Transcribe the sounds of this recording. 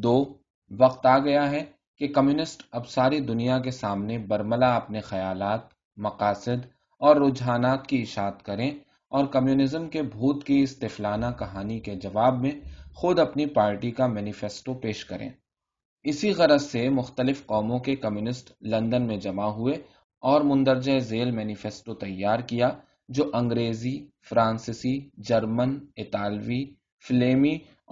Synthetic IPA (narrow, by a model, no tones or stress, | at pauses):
d̪oː | ʋɐq̚t̪aːɡɐjaɦɛ | kekɐmjuːnɪsʈɐbsaːɾid̪ʊnijak̬esaːmnebɐɾməlaɐpnexɐjaːlaːt̪ | mɐqaːsɪd̪ | ɔːɾːʊːd͡ʒɦaːnaːt̪kiɪʃaːt̪kɐɾẽ | ɔːɾkɐmjuːnɪzəmkebʱuːt̪kiɪst̪ɪflaːnakɐɦaːniked͡ʒɐʋaːbmẽxʊd̪ɐpnipaːɾʈikamɛːnɪfeːsʈopeːʃkɐɾʔḛ̃ː | ɪsiɣɐɾəsemʊxt̪əlɪfqɔːmõkekɐmjuːnɪsʈlɐ̃nd̪ənmẽd͡ʒɐmaɦʊe | ɔːɾmʊ̃nd̪əɾd͡ʒəezeːlmɛːnɪfeːsʈot̪ɐjːaːɾkija | d͡ʒoːʔɐ̃ŋɡɾeːzifɾãːnsɪsid͡ʒɐɾmənɪt̪aːlʋi | fleːmi